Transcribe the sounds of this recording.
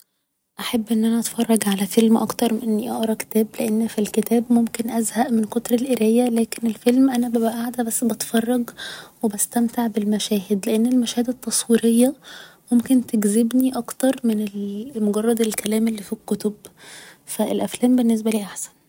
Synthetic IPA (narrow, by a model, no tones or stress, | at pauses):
ʔaħabːʔenːʔænæʔɑt̪fɑrˤːɑɡʕalæfelmʔɑ̰kt̪ɑɾˤmʔenːiʔɑʔɾˤɑke̥t̪æːbleʔenːfilket̪æːbmomkenʔæzhæʔmenkot̪ɾˤelʔeɾejːælæːkenelfelmʔænæbæbæʔaʕd̪æbæsːbɑt̪fɑrˤːɑɡwebæst̪æmt̪aʕbelmæʃæːhed̪leʔenːelmæʃæːhed̪æt̪ˤːɑsˤwiːɾejːɑmomkent̪eɡzebniʔɑkt̪ɑɾˤmenelmoɡɑrˤːɑd̪elkælæːmelːiːfikːot̪ob | fæelʔæflæːmbenːes̬bæliːʔaħsæ̥n